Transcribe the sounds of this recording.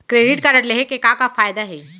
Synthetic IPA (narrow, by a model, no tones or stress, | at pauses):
kɾeːɖɪʈkaɾəʈleɦekekãkafaːjd̪aɦɛː